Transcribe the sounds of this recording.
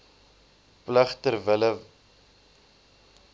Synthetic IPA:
pləχtərvələ

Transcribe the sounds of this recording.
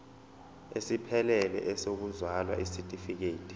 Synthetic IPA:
esipʰɛlɛlɛ̰ʔɛsok̬uzwalwa̰ʔisitʼifik̬eːtʰʼi̥

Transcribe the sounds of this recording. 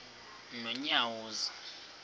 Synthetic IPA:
nɔɲawuːza

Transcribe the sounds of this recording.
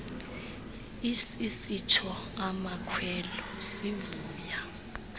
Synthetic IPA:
isisit͡ʃʰɔamakʰwɛlɔsivuːja

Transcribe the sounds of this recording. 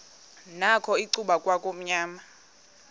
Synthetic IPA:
nakʰɔiǀuɓakʼwakʼom̩ɲaːma

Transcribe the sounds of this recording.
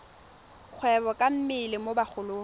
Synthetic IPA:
k͡xʰwɛbɔkʼam̩mɪlɪmobak͡xʰʊloː

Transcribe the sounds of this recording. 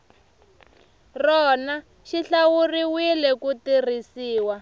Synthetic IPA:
rɔna | ʃiɬawuriwilɛkutir̤isiːwa

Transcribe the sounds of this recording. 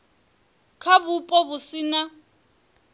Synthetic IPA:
kʰaβupʼɔbusina

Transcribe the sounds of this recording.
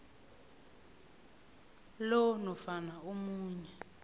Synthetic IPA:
lɔnɔfanaumuːɲɛ

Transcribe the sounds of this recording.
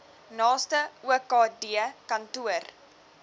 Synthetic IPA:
nɑːstəuəkɑːdiəkɐntuər

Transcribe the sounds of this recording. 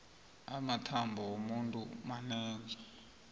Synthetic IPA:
amatʰambʱɔwomuntʼumanɛːd͡zɔ

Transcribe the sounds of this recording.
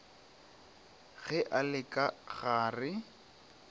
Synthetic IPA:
ɣɛʔalɪkʼaɣaːrɪ

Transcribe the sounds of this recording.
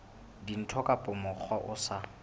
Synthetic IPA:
din̩tʰɔkʼapʼʊmʊk͡xʰwaʔʊsa

